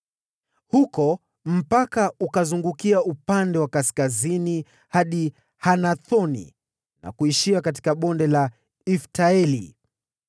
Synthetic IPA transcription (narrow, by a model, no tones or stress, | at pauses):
hukɔ | m̩pakaukazuŋɡukiaupandɛwakaskazini | haɗi | hanaθɔnḭ | na̰kuiʃiakat̬i̥kaɓɔndɛla | iftaɛlḭ